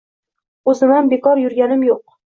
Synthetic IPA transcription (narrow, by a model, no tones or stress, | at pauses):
ɵzɪmanbekʰɒɾjʊɾɡʲanɪmjoq̚